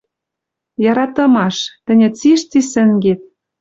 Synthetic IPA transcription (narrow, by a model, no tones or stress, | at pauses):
jɑɾɑt̪ɤ̆mɑʃt̪ɘ̆nʲɘ̆t͡siʃt͡sisɘ̆ŋɡet̪̚